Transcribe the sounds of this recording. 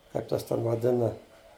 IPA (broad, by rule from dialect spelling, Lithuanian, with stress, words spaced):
kɐɪp ˈtɐs ˈtʲɛn ʋɐˈdʲɪnɐ